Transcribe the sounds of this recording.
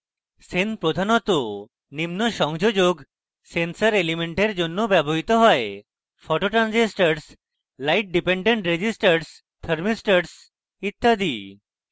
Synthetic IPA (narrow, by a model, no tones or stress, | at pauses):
senpɾod̪ʱanɔt̪o | nimnɔʃɔŋd͡ʒod͡ʒoɡ | sensəɾelimeɳʈeɾd͡ʒonːobɛbɔɦit̪ɔɦɔe | pʰɔʈoʈɾand͡ʒesʈəɾs | lajʈ̚ɖipeɳɖeɳʈɾed͡ʑisʈəɾs | t̪ʰəɾmisʈəɾs | it̪ʰːad̪i